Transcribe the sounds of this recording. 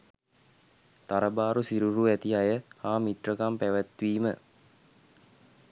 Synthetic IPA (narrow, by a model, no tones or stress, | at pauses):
t̪aɾəbaːɾusiɾuɾuæt̪iajəhaːmit̪rəkampæʋæt̪ʋiːmə̰